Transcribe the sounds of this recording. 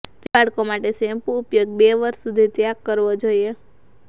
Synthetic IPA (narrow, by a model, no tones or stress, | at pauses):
t̪aɽkomaʈesempuːpjoɡ̚beʋəɾʃːud̪ʱit̪jakːəɾʋod͡ʒoie